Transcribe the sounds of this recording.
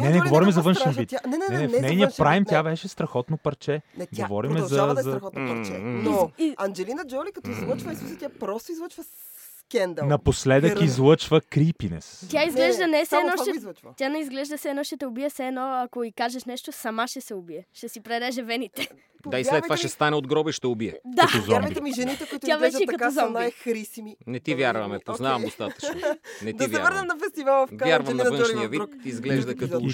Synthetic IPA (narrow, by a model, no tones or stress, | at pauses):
nɛnɛɡovɔɾimɛzɐvɤnʃɛnvit̪anɛnɛɛnɛnfɛnɛjniəpɾajmt̪ʲjavɛʃɛst̪ɾɐxɔt̪nopɐɾt͡ʃɛnɛɡ̪ovɔɾimɛzɐzɐɾxɔt̪pɐɾt͡ʃɛ̰noiɐnd͡ʒɛlinəd͡ʒɔlikɐt̪ɔizlˠət͡ʃvəisusɛt̪ʲjapɾɔst̪oizlˠət͡ʃvəs | kɛnd̪nɐposlɛd̪əizlˠɤt͡ʃvəkɾipinɛ̰st̪jaizɡlɛʒd̪ənɛsɛɛːnɔʃɛzˠət͡ʃvt̪ʲanɛizɡlɛʒd̪ɐsɛːnɔʃɛt̪ɛʊbiɛsɛːd̪nɔɐkoikaʒɛʃnɛʃt̪osɐmaʃɛsɛobiɛʃɛsipɾɛd̪ɛʒɛvɛnit̪ɛ | d̪aislɛt̪ːovaʃʃɛst̪anɛod̪ɡɾɔbɛʃt̪ɛʊbiɛd̪aɐt̪zɔit̪iʒɛniɛkʊit̪ʲavɛt͡ʃɛk̪ɐt̪zɔmnɛxɾisiminɛt̪ivʲjaɾvɐmɛpoznavɐmdd̪ost̪ḁt͡ʃ̪onɛtd̪ivɛaɾvəɾnəmnɐfɛst̪ivalˠfvjaɾvɐmnɐvə̃nʃnijəvit̪izɡlɛʒd̪ɐkɐ